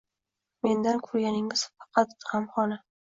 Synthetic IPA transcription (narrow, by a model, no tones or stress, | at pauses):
me̞nd̪ankʰɵɾɡʲanɪŋɪz̥fɑ̥qʰɑt̪hamχɒlɪ